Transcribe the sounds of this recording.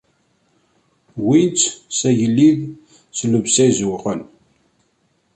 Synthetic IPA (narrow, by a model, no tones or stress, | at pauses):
wint͡ssæjəlːið | sləvsæzuqən